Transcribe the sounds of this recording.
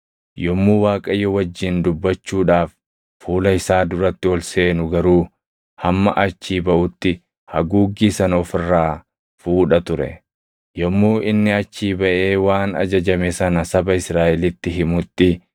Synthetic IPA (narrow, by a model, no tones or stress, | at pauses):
jɔmːuːwaːkʼɐjːɔwɐd͡ʒːɪnd̪ʊbːɐt͡ʃːuːᶑaːfː | uːlɐɪsaːd̪ʊɾɐt̪ːɪɔlse̞ːnʊɡɐɾuː | hɐmːɐʔɐt͡ʃːiːbɐʔʊt̪ːɪ | hɐ̰ɡuːɡːiːsɐnɔfɪrːaː | fuːᶑɐt̪ʊɾɛ̰ | jɔmːuːʔɪnːɪɐt͡ʃːiːbɐʔeːwaːnɐ̰d͡ʒɐd͡ʒɐmesɐnɐsɐbɐɪsɾaːʔɛlɪt̪ːɪɦɪmʊt̪ːɪ